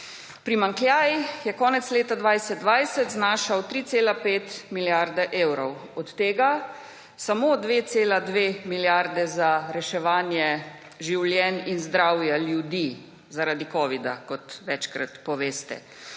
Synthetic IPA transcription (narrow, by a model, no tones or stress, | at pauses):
pɾimaŋkljaːjixjɛkɔːnɛt̪sleːt̪ad̪ʋajsɛd̪̚ʋajsɛt̪znaːʃawt̪ɾiːt̪seːlapeːt̪miljaɾd̪ɛʔeːwɾɔwɔt̪ːeːɡa | samoːd̪ʋeːt̪seːlad̪ʋemiljaɾd̪ɛzaɾɛʃɛʋaːnjɛ | ʒiwljɛninzd̪ɾawjaljud̪iː | zaɾaːd̪ikɔːʋid̪a̰kɔt̪ʋɛt͡ʃkɾa̰t̪pɔʋeːst̪ɛ̰